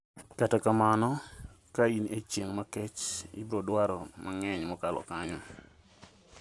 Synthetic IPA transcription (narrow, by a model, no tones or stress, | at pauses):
katakamanɔ | kainet͡ʃjeŋmakɛt͡ʃḭbɾɔdwaɾɔmʔaŋɛɲmɔkalɔ̰kaɲɔ